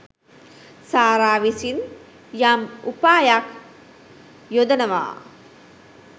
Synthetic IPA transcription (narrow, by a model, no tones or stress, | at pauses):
saːɾaːʋisin | jamupaːjak | jod̪ənəʋa̰ː